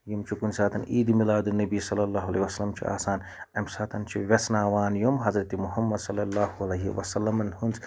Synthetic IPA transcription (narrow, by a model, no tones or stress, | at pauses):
jumt͡ʃʰukunsaːt̪ɐnʔiːd̪imilaːd̪ɨnɐbisɐlːɐlːaːɦuɐlejʋɐsɐlɐmt͡ʃʰḭa̰ːsaːn | ɐmsaːt̪ʰɐnt͡ʃʰiʋʲɐsnaːʋaːnjumɦɐzɾɐt̪imuɦɐmːɐd̪sɐlːɐlːaːhuɐlɐɦḭʋɐsɐlːɐmɐnhunt͡s